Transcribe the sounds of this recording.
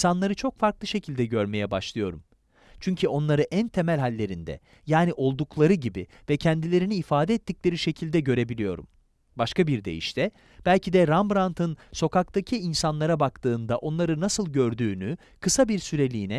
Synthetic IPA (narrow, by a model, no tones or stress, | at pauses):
sanlˠaɾɯt͡ʃʰo̞kfaɾklˠɯʃe̞cʰilʲd̪ɛɟøɾme̞jɛbaʃlˠɯjo̞̰ɾum | t͡ʃʰyɲcʰyo̞nlˠaɾɯʔænt̪ʰe̞mælʲɦalʲːe̞ɾind̪ɛ̰ | jaːniʔo̞lˠd̪uklˠaɾɯɟibi | vɛcʰɛnd̪ilʲe̞ɾiniːfaːd̪ɛɛːt̪ːiclʲe̞ɾiʃe̞cʰilʲd̪ɛɟø̞ɾe̞bilʲijo̞̰ɾṵm | baʃkabiɾd̪ḛjḭʃt̪ʰɛ | b̥ælʲcʰid̪ɛɾambɾant̪ʰɯnso̞kak̚t̪ʰacʰiːnsanlˠaɾabakt̪ʰɯːnd̪aʔo̞nlˠaɾɯnasɯlˠɟøɾd̪yːny | kʰɯsabiɾsyɾe̞lʲiːnɛ